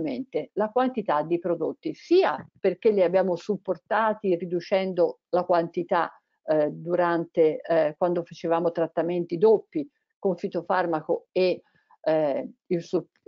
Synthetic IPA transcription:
ment̪elakwant̪it̪ad̪ːipɾod̪ot̪ːisiːaperkelːiabjaːmosupːort̪aːt̪irid̪ut͡ʃɛnd̪olakwant̪it̪a | d̪uɾant̪ekwand̪ofat͡ʃevaːmot̪ɾat̪ːament̪id̪opːi | koɱfit̪ofarmakoe | ilsu

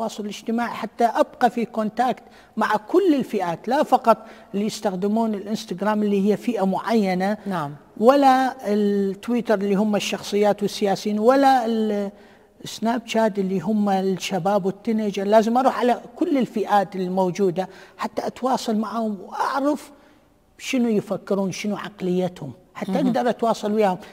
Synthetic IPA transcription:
t̪wɑːsˤʊllɪd͡ʒt̪ɪmaːʕiħat̪ːaʔabqɑfikont̪aːkt̪ | maʕakʊlːɪlfɪʔaːt̪lafɑqɑt̪ˤʔɪlːijɪst̪axd̪ɪmuːnɪlʔɪnst̪aɡɾaːmʔlːihɪjːafiːʔamʊʕajːanan | walːaɪlt̪ːwiːt̪ɑɾˤʔɪlːiːɦʊmːaʃːɑxsˤɨjːaːt̪wɪsːɪjaːsjiːnwalːal | snaːb̚t͡ʃaːd̪ʔɪlːiɦʊmːalʃːabaːbwɪt̪ːanɪd͡ʒalaːzɪmʔɑɾˤuːħʕalakʊlːɪlfiʔaːt̪ɪlːmowd͡ʒuːd̪aħat̪ːaʔat̪wɑːsˤɑlmaʕhʊmwʔaʕɾaf | ʃɪnujɪfakːɪɾuːnʃɪnuʕɑqlɪjːat̪hʊm | ħat̪ːaʔaɡd̪ɑɾˤʔat̪wɑːsˤɑlwiːhʊm

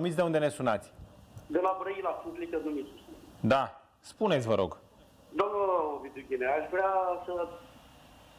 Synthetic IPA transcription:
umit̪sd̪eund̪e̞nesunat̪sʲd̪elabɾəilasunt̪lik̪əɾnumisd̪a | spunesʲvəɾo̞̰ɡ | d̪oəvid̪uɡʲineaʃvɾeasə

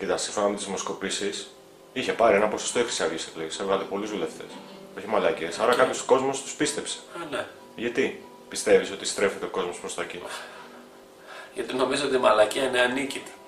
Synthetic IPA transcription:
cit̪ɐsinfonɐme̞t̪izmo̞sko̞pisis | içe̞pɐɾienɐposo̥st̪oixɾi̥siɐʝisikliisevɣɐlepo̞lizðule̞ft̪e̞s | o̞çimɐlɐce̞sɐɾɐkɐpjoso̥ko̞zmo̞st̪u̥spist̪e̞pse̥ne | ʝɐt̪i | pist̪e̞viso̞t̪ist̪ɾe̞fet̪eko̞zmopɾost̪oeci | ʝɐt̪ino̞mizoot̪imɐlɐciɐineanicit̪e̥

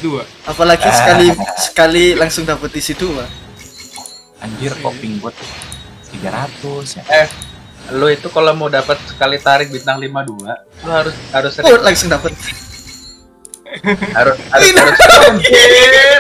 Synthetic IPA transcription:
dua | apalaɡisəkalisə̥kalilaŋsʊŋdapət̪̚disit̪ua | aɲd͡ʒɪrkopɪŋbat̪̚ | t̪iɡaɾat̪ʊsjaʔɛh | lʊit̪ukalomawdapət̪̚sə̥kalit̪aɾɪk̚bit̪̚nahlimadua | lʊhaɾʊshaɾʊsʊlaŋsʊŋdapət̪̚ | haɾʊshaɾnaɾʊs

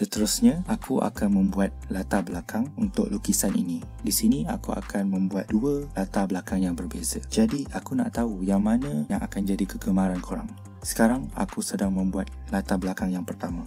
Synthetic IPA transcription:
sət̪əɾusɲãʔakuʔa̰kanmə̃mbuat̪̚lat̪abəlakʰaŋunt̪ʊ̰ʔlukisanḭni | disinia̰kua̰kʰanmə̃mbuat̪̚duəlat̪abəlakaŋjaŋbərbezad͡ʒadiakuna̰ʔt̪aujaŋmãnə̃jaŋʔa̰kand͡ʒadikəɡəmãɾankʰoɾa̰ŋ | sə̥kaɾaŋa̰kusədaŋmə̃mbuat̪̚lat̪abəlakaŋjaŋpərt̪amã

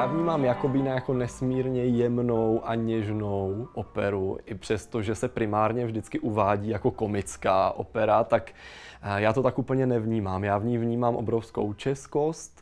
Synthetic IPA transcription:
jaːvɲiːmaːmjako̞biːnajako̞nɛsmiːɾɲɛjɛmnowʔaɲɛʒno̞wʔopɛɾuʔɪpr̝̥ɛst̪o̞ʒɛsɛpɾɪmaːɾɲɛvʒdɪt͡skɪʔuvaːɟiːjako̞ko̞mɪt͡skaːʔo̞̰pɛɾat̪ak | jaːt̪o̞t̪akʔuːpl̩ɲɛnɛvɲiːmaːmjaːvɲijvɲiːmaːmʔo̞bɾofsko̰wt͡ʃɛsko̞st̪

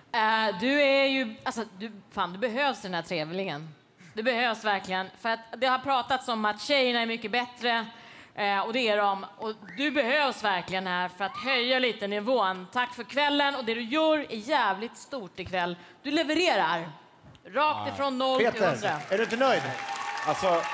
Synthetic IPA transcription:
ɛd̪ɵæjɵalsɔd̪ɵfaːnd̪ɵbɛɦøːvsd̪ɛnhæːʈʰɾeːvlɪɡən | d̪ɵbɛhøːvsvæɾklɪɡənfœɾat̪d̪ɛhaɾpʰɾɑːt̪at̪sɔmat̪ɕɛjːəɳaɛɾmʏkːəbɛt̪ɾə | ɔd̪ɛæɖɔmɔd̪ɵbɛhøːvsvæɾklɪɡənɦæːɾfœɾat̪hœjːaliːt̪ənɪvoːnt̪ʰakːfœɾkʰvɛlːənɔd̪ɛd̪ɵjœːɾæɾjæːvlɪt̪st̪uːʈɪkʰvɛlː | d̪̥ɵlɛvəɾeːɾaɾ | ɾɑːk̚t̪ɪfɾɔnːɔlːt̪d̪ɾaæɖɵɪnt̪ənœjd̪alsɔ

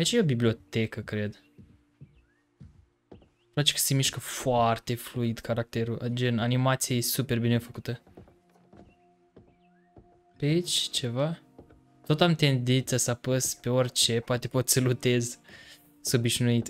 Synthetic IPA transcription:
ait͡ʃajeobiblʲio̞t̪e̞kəkɾe̞d̪ | plat͡ʃe̥kə̥semiʃkəfoart̪e̞fluid̪kaɾak̚t̪e̞ɾuʔad͡ʒenanimat̪siejesupe̞rbine̞fəkut̪ə | peait͡ʃʲt͡ʃe̞va | t̪o̞t̪amt̪e̞nd̪int̪sasəapəspe̞o̞rʲt͡ʃe̞poat̪e̞po̞t̪səlut̪e̞z | sobiʃnuit̪

